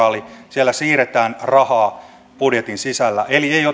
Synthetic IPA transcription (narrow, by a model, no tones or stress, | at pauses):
ɑːlisielːæsiːret̪æːnrɑhɑː | pudjet̪insisælːæʔeliejo